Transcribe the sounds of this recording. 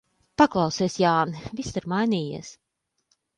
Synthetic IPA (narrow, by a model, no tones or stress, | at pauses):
paklˠɑwsiɛsjaːnvist̪ɨɾmajniːjḭɛs